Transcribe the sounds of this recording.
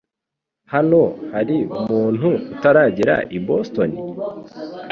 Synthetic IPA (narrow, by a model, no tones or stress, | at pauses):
hano̞haɾiumuːn̥huːtaɾaːɟiɾa̰ʔibosto̞ni